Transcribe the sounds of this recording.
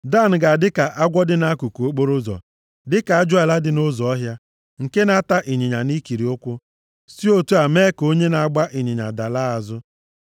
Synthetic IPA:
da˦˨n̩˨ɡa˨dɪ˦ka˨ʔa˦ɡʷɔ˦dɪ˦na˦ku˨ko˦k͡po˦ɾʊ˦zɔ̰˨ | dɪ˦ka˨a˦d͡ʒʊ˦a˨la˦dɪ˨no˦zɔ˨ɔ˦ɦja˦ | ŋ̩˨ke˦na˦ta˦ʔi˨ɲi˨ɲa˨ni˦ki˨ɾi˨ʊ˦kʷʊ˦ | si˦o˦tu˦a˨me˦ko˦ɲe˦na˨a˦ɡ͡ba˦ʔi˨ɲɪ˨ɲa̰˨da˨la˦a˨zʊ˦

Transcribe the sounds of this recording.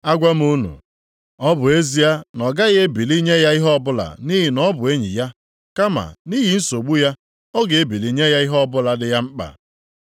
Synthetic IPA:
a˦ɡʷa˦m̩˦u˦nṵ˨ | ɔ˦bʊ˨e˦zi˦a˦nɔ˨ɡa˦ɣe˦bi˨li˦ɲe˦ja˦i˦ɦɔ˦bʊ˦la̰˨ni˦ɦi˨nɔ˦bʊ˨e˦ɲḭ˨ja˦ | ka˦ma̰˨ni˦ɦi˨n̩˦so˨ɡ͡bu˦ja˦ | ɔ˦ɡe˨e˦bi˨li˨ɲe˦ja˦i˦ɦɔ˦bʊ˦la˨dɪ˦ja˦ŋ͡m̩˦k͡pa̰˨

